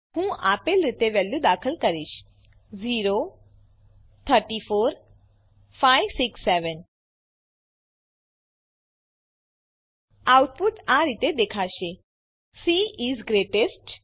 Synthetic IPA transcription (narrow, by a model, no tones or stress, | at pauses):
ɦũʔa̰ːpelɾit̪eʋɛlːud̪aːkʰəlkəɾiʃ | ziːɾo | t̪ʰəɾʈifoːɾ | fajʋsiksːɛʋən | awʈ̚puʈaɾit̪ed̪ekʰaʃe | siizɡɾeːʈesʈ